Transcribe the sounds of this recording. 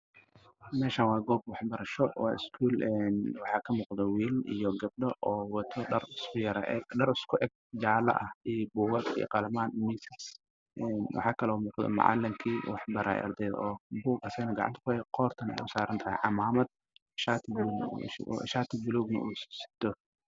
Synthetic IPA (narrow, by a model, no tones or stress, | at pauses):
mɛːʃanwɑːɡɔːb̚wɑħbɐɾɐʃɔwɑ̰ːɪ̰skʰuːlɛnwɑħɑːkʰɐmuːqd̪ɔwiːlḭjɔɡɐb̚ɖɐʔɔːwɑt̪ʰɔɖɐrɪskʊjɐɾ̰ʔɛɡɖɐɾɪskʰʊʔɛɡ̚ | d͡ʒaːlɐ̰ʔɐhiːbuːɣɐd̪ʰḭːqɑlɐmaːnmɪsɪs | ʔɛːnwɑ̰ħɑːkʰɐlɔːmuːqd̪ɔ̰mɑ̰ʕɑ̰lɪŋkʰiːwɑħbɐɾa̰ːjʔɐ̰rd̪ɛjð̰ʔɔːbuːɡɐsɛjnɐɡɑ̰ʕɑ̰nt̪ɐ̥kʰʊɛqɔːrt̪ʰɐnɛ̰jʊsaːɾɐnt̪ʰɐhɛ̰ʕɑmaːmɐd̪̥̚ | ʃat̪ʰɪb̰ | ʃaːt̪ʰɪbɪluːɡnɐ̰ʔuːssɪ̥t̪ʰɔ